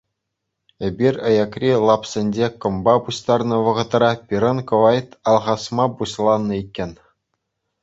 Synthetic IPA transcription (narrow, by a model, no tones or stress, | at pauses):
ebʲirʲɤ̆jɑkrʲilˠɑpsʲĕnʲd͡ʑekɤ̆mbɑbuɕt̪ɑrnɤ̆ʋɤ̆ʁɤ̆t̪rɑpʲiɾɤ̆nkɤ̆ʋɑjt̪ɑlˠʁɑsmɑbuɕlˠɑnːɤ̆ikʲːenʲ